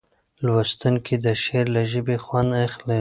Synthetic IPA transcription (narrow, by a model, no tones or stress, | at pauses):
lwast̪uŋkʰid̪əʃeɾlaʒəbexwand̪axle